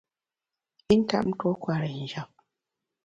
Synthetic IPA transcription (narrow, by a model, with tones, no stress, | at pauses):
i˦n̩˦ta̰˦ʔm̩˦to˦kwa˨ɾə˨n̩˨d͡ʒa˨p̚